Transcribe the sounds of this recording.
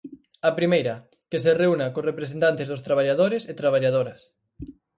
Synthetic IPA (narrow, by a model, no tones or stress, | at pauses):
ɐpɾimejɾɐ | kesereunakorepɾesent̪ant̪ezðost̪ɾaβaʎaðoɾeset̪ɾaβ̞aʎað̞oɾɐs